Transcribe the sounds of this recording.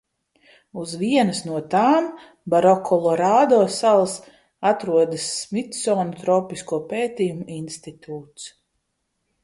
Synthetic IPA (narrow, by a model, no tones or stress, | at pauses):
uzviɛnɐsnuɔt̪aːm | baɾɔkʰɔlˠɔɾaːd̪ɔːsalˠs | at̪ɾuɔd̪ɨsmit̪sɔːnut̪ɾɔːpiskuɔpeːt̪ʲiːjumuinst̪it̪uːt̪s